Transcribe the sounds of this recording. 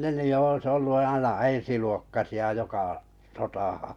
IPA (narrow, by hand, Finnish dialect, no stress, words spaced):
ne ny jo oĭs olːu ɑinɑ ensiluokːɑsiɑ jokɑ sotɑhɑ̃ː